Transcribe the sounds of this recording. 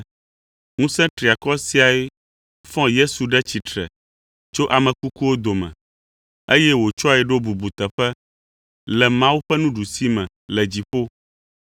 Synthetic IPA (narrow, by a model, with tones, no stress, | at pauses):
ŋũ˦sɛ̃˦t̪ɾi˨a˨kɔ˦si˦a˨e˦ | fɔ̃˦je˦su˨ɖɛ˦t͡ɕi˨t̪ɾɛ̰˨ | t͡ʃo˦ʔa˨mɛ̃˨ku˦ku˦wo˦d̪o˨mɛ̰̃˨ | e˦jɛ˦wo˨t͡ʃɔ˦a˨ɛ˨ɖo˦bu˨bu˨t̪ɛ˨ɸɛ˦ | lɛ˨mã˦wu˦ɸɛ˦nũ˦ɖu˨si˦mɛ̃˨ | lɛ˨d͡ʑi˨ɸo˦